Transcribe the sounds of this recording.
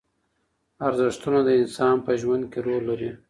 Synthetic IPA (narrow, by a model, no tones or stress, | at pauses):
aɾzɪʂt̪unod̪əɪnsɑnpəʒwand̪̚keɾoɾlːaɾi